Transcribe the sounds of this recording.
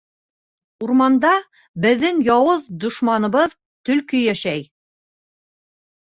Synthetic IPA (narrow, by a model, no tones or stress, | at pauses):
uɾmɑnd̪ɑ | bɘ̆ðːɘŋjɑwɤðd̪ŏʃmɑnɤ̆βɤð | t̪ɵ̆lkɵjæʃæj